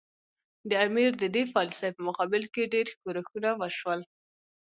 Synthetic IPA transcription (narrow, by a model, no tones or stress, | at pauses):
d̪əamiɾd̪əd̪efɑlɪsapəmʊqɑbɪlkeɖeɾxkoɾaxunawəʃwəl